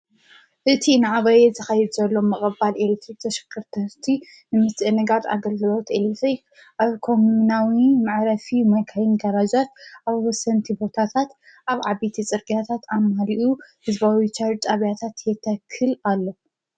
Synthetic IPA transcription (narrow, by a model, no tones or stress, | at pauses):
ʔɨt̪ʰinɨʕaβajɛzɐxɐjɛd̪zɐlːo̞mɨχʼɨbalelt̪ʰɾibt̪ʰɐʃɐ̥kʰːɨɾt̪ʰɐhɨɾt̪ʰi | nɨmɨst̪ʼnɨɡat̪a̰ɡɐlɡɨlo̞t̪ʔelt̪ɾik | ʔaβkʰo̞munawimaʕɾɐfimɐjkʰajinɡɐɾad͡ʒat̪̚ʔaβwɔsɐnt̪ʰibo̞t̪ʰat̪ʰat̪ | ʔaβʕabit̪ʰit͡sʼɨɾɡʼjat̪ʰat̪ʰamaliʔuhɨzbawit͡ʃʰat͡ʃ̪ʼaβjat̪ʰat̪jɛt̪ʰːɐkʰːɨlalːo